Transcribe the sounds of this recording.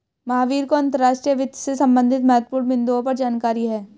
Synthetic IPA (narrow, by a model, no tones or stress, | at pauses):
mɐɦaːʋiːɾkoɐ̃nt̪əɾːaːʃʈɾijəʋɪd̪sesɐ̃mbə̃nd̪ʱɪt̪mɛːt̪̚puːɾmɪ̃nd̪oõpɐɾd͡ʒaːnkaːɾiɦɛː